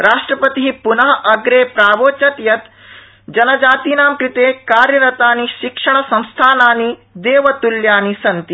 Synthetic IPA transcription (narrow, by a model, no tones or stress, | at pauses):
ɾaːʂʈɾɐpɐt̪iɦipunɐɦɐʔɐɡɾeːpɾaːʋoːt͡ʃɐt̪jɐt̪ | d͡ʒɐnɐd͡ʒaːt̪iːnaːmkɾɪt̪eːkaːɾjɐɾɐt̪aːniʃikʂɐɳ̃ɐsɐ̃m̃st̪ʰaːnaːnid̪eːʋɐt̪uljaːnisɐnt̪i